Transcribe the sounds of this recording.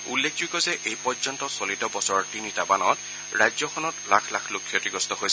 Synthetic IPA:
ulːekʰd͡ʒujkɔzɛʔejpɔzɔntɔsolitɔbɔsɔɹtinitabanɔt | ɹajzjɔkʰɔnɔtlakʰlakʰlokʰːiɔtiɡɔstɔɦojsɛ

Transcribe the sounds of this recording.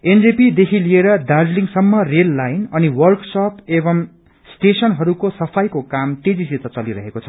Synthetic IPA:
end͡zepid̪ekʰilieɾʌdad͡zliŋsʌmːʌrelːajnʌniwʌrksʌpebʌm | sʈesʌnɦʌɾukosʌpʰajkokamt̪ed͡ziset̪ʌt͡sʌliɾʌɦekot͡sʰʌ̥

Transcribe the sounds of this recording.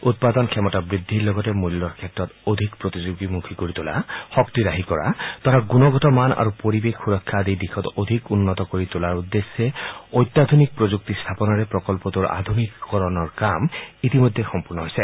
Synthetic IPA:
ut̚pad̪ɔnkʰɛmɔtabɹidʱːiɹlɔɡɔtɛmulːɔɹkʰɛtɹɔtod̪ʱikpɹot̪izuɡimukʰikoɹitʊla̰xɔk̚tiɹaɦikɔɹa̰tɔɹaɡunɔɡɔtɔmana̰ɹupoɹibekxuɹɔkʰːadejdixʰɔtod̪ʱikunːɔtɔkoɹitulaɹudːesːɛɔjt̪ːad̪ʱunik̚pɹozuk̚tist̪ʰapɔnɔɹɛpɹɔkɔlpɔtuɹa̰d̪ʱumikːɔɹɔnɔɹkamitimojdʱɛxɔmpuɹnɔɦojsɛ

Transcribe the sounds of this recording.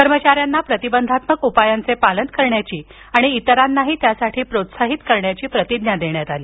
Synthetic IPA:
kəɾmət͡ɕaɾjanːapɾət̪ibənd̪ʱat̪məkupajant͡sepalənt̪kəɾɳjat͡ɕiː | aɽ̃iːt̪əɾanːaɦiːt̪jasaʈʰiːpɾot̪saɦit̪kəɾɳjat͡ɕiːpɾət̪id̪njad̪eɳjat̪aliː

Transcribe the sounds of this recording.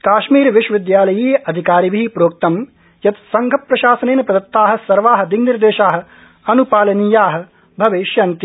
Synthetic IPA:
kaːʃmiːɾʋiʃɐʋid̪jaːlɐjeːʔɐd̪ʱikaːɾibʱiːpɾoːk̚t̪ɐm | jɐt̪sɐŋɡʱɐpːɾɐʃaːsɐneːnɐpɐd̪ɐt̪ːaːɦɐ̆sɐɾʋaːɦɐ̆d̪iɡniɾd̪eːʃaːɦɐ̆ | ɐnupaːlɐniːjaːɦɐ̆ | bʱɐʋeːʃjɐnt̪i

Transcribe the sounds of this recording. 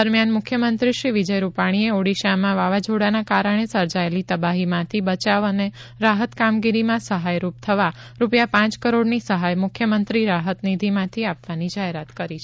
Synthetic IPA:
əɾmjanmʊkʰjəmənt̪ɾiʃɾiʋid͡ʒəjɾupaɽ̃ieoɽiʃamãʋaʋad͡ʒoɽanakaɾəɽ̃esəɾd͡ʒaelit̪əbaɦimãt̪ʰibət͡ʃaʋəne | ɾaɦət̪kamɡiɾimãsəɦajɾup̚t̪ʰəʋa | ɾupjapãt͡ʃkəɾoɽnisəɦajmʊkʰjəmənt̪ɾiɾaɦət̪nid̪ʱimãt̪ʰiapʋanid͡ʒaɦeɾat̪kəɾit͡ʃʰ

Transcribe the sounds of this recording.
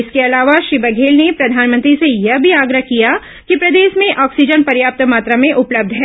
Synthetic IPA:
ɪskeɐlaːʋaʃɾibɐɡʱeːlnepɾɐd̪ʱaːnmə̃nt̪ɾisejɐɦbʱiaːɡɾəɦkija | kipɾɐd̪eːʃmẽʔɔːksid͡ʒənpɐɾjaːp̚t̪maːt̪ɾamẽʔʊpləb̚d̪ʱɦɛː

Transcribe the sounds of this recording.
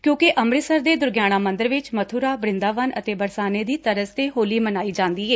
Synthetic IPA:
kjõːkɪʔəmɾɪsəɾd̪eːd̪ʊɾɡjaːɽ̃aːmə̃nd̪əɾʋɪt͡ʃmət̪ʰuːɾaːbɾɪ̃nd̪aːʋənʔə̰t̪eːbəɾsaːneːd̪iːt̪əɾəst̪eːɦoːliːmənaːiːd͡ʒãːnd̪iːɛː

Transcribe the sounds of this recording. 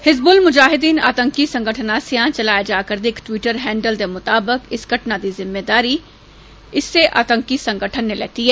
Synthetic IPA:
hɪzbʊlmʊd͡ʒaːɦɪd̪iːna̰ːt̪ə̃ŋkisɐ̃ŋɡʱəʈʰənaːsijãt͡ʃɐlaːjad͡ʒaːkəɾd̪ɪkʈwiːʈəɾɦɛ̃ːɳɖəld̪emʊt̪aːbɪkɪsɡɐʈnad̪izɪmːeːd̪aːɾi | ɪsːeʔa̰ːt̪ə̃ŋkisɐ̃ŋɡəʈʰənːelɛ̰ːt̪iɦɛː

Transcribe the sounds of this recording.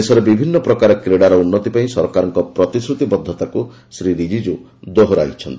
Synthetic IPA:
esɔɾebibʱinːɔpɾɔkaɾɔkɾeɽaɾɔunːɔt̪ipaĩsɔɾkaɾɔŋkɔpɾɔt̪isɾut̪ibɔd̪ʱːɔt̪aku | sɾiɾid͡ʒid͡ʒu | d̪oɦoɾa̰it͡ʃʰɔnt̪ii

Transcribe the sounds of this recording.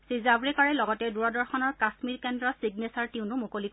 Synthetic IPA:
sizabɹɛkaɹɛlɔɡɔtɛduɹadɔɹxɔnɔɹkasmiɹkɛndɹɔsiɡnesaɹtiʊ̃nʊmukolik

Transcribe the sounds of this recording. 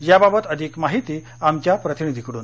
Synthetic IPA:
jababət̪əd̪ʱiːkmaɦit̪iː | amt͡ɕjapɾət̪inid̪ʱikəɽuːn

